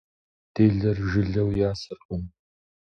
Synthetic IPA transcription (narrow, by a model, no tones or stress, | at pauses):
d̪̥eːɮɐrʒɪɮɐwjaːsɨqʼʊm